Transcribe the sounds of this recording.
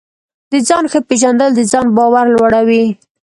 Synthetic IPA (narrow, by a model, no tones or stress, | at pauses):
d̪əd͡zɑnxəpeʒand̪əld̪əd͡zɑnbɑwaɾlwaɽawi